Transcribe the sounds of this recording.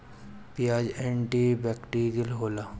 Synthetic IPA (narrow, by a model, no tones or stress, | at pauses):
pijaːd͡ʒẽɳʈibɛːkʈiːɾjəlɦoːlaː